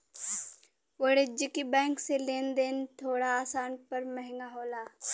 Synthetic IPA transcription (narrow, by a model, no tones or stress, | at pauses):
ʋəɽed͡ʒɪkibɛ̃ːŋkseleːnd̪eːnt̪ʰoːɽaaːsaːnpɐɾməɦɪŋɡaɦoːlaː